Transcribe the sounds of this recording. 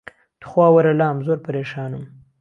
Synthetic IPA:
t̪ə̥xwɑːwaɾalɑːmzoɾpaɾeːʃɑːnum

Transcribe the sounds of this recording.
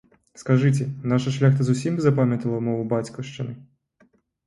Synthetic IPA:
skɐʒɪtʲɛnɑʃɐʃlʲaxt̪ɐzʊsʲimzɐpamʲjɐt̪ɐlˠɐwmɔʋʊbat͡sʲkɔʃt͡ʃɪnɪ

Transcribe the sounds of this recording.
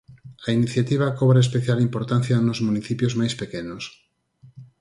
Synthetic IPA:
ainiθjat̪iβ̞akoβɾaes̬peθjalimpoɾt̪an̟θjanozmuniθipjozmajspekenos

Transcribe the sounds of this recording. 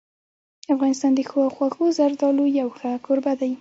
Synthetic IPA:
afɣɑnɪst̪ɑnd̪əxwɑxwaxozaɾd̪ɑlojawxakʰoɾbad̪aj

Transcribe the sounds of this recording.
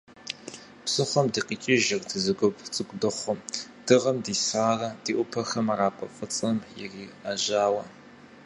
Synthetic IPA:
psɨχʷɔmdiːqiːt͡ʃʼɪʒɪrdɨzɨɡʷʊpʰt͡sʼɨkʷʼdɨχʷɔmd̥ɨʁɐmdiːsraːrɐd̥iːʔʷʊpʰɐxɐmaraːpʷʼɐfʼɨt͡sʼɐmjɪriːaʒaːwɐ

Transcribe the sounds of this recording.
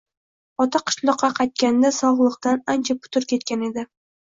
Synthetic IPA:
ɒt̪ʰaqʰɨ̥ʃlˠɒqːɑqʰɑjt̪̚kʲand̪asɒʁlˠɨqt̪anant͡ʃʰapʰʊ̥t̪ʰʊɾkʲʰe̞t̪̚kʲane̞d̪ɪ

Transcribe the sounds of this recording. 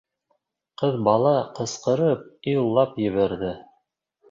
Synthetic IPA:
qɤðbɑlˠɑqɤ̆sqɤ̆ɾɤp̚ilˠːɑpjɘ̆βæɾðɘ

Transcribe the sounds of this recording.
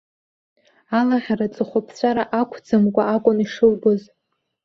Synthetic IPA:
alaʁʲarat͡sʼɨχʷapʰt͡ɕʷʰʼaɾaʔakʷʰd͡zɨmkʷʼaakʷʼʊniʂɨlɡɨz

